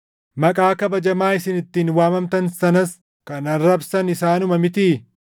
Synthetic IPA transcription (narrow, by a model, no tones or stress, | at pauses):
mɐkʼaːkɐbɐd͡ʒɐmaːɪsɪnɪt̪ːiːnwaːmɐmt̪ɐnsɐnɐs | kɐnɐnɾɐbsɐnɪsaːnʊmɐmɪt̪iː